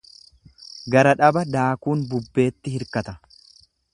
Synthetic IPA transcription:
ɡɐɾɐᶑɐbɐd̪aːkuːnbʊbːe̞ːt̪ːɪhɪɾkɐt̪ɐ

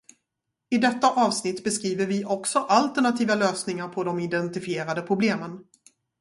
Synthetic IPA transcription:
ɪd̪ɛt̪ːaʔɑːvsnɪt̪ːbɛskɾiːvəɾvɪʔɔksɔʔalt̪əɳat̪ʰiːvaløːsnɪŋaɾpʰɔd̪ɔmɪd̪ɛnt̪ɪfɪeːɾad̪əpʰɾʊbleːmən

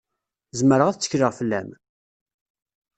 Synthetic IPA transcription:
zməɾəʁæθt͡sːə̥çɾəʁfəlːæm

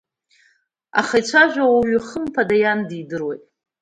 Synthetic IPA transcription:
a̰χajt͡ɕʷʰaʒᶣʷawaɥiχəmpʰadajandidɨrwejtʼ

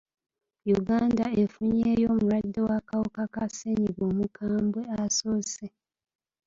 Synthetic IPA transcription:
juɡaːnda̰efuɲejo̞ːmuɾwadːewakawukakaseɲiβoːmukʰaːmbwe̞asoːse

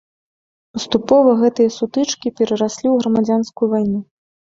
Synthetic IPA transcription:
pɐst̪upɔvɐɣɛt̪ɨjɐsut̪ɨt͡ʂkʲipʲɛɾɐɾasʲlʲiwɣɾɐmad͡zʲanskujuvajnu

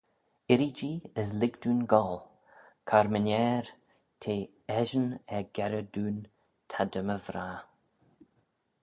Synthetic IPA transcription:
ɪɾid͡ʒiːəs̬lɪɡd̪uːnɡɔl | kʰaɾmənɛːɾ | tʰeː | ɛʒənɛɡɛɾəd̪uːn | t̪ʰad̪əməvɾaː

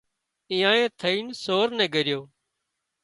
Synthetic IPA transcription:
ĩːãːẽːt̪ʰəiːnsoːɾnɛ̃ːɡəɾɪjoː

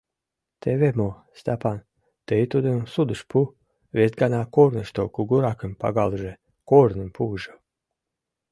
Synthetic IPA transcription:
t̪ʰevʲemo | st̪apan | t̪ejt̪ud̪ensud̪ɨʃpu | vʲezɡanaːkɔːɾnɨʃt̪ɔkuɡuɾakɨmpa̰ɡalˠʒe | kɔːɾnɨmʲpʰuːʒa

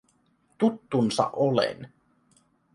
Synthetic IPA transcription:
t̪ut̪ːunsɑ̰ʔolḛn

